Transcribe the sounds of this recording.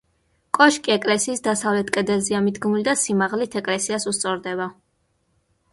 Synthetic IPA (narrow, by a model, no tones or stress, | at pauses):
kʼɔʃkʼiɛkʼlɛsiːsd̪asavlɛt̪ʰkʼɛd̪ɛlziamid̪ɡmulid̪asimaʁlit̪ʰɛkʼlɛsiasust̪sʼɔɾd̪ɛba